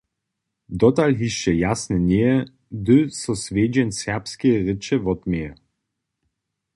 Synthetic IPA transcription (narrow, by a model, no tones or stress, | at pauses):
d̪ɔt̪alɦiʃt͡ɕɛjasnʲɛnʲɛjɛ | d̪ɵsɔsvʲeːd͡ʑɛnʲsɛʁpskʲɛʁɘt͡ʃɛvɔt̪mʲɛjɛ